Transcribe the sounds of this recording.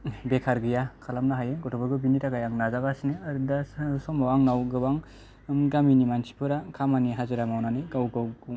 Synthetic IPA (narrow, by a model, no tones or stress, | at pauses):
bekʰaɾɡɯjakʰalamnaɦajeɡɔtʰɔbɔɾɡɯbinitaɡajaŋnazaɡasineaɾudasɔmawaŋnawɡɯbaŋ | mɡaminimansi̥pʰɯɾakʰamaniɦazɯɾamawnanɯɡawɡawɡu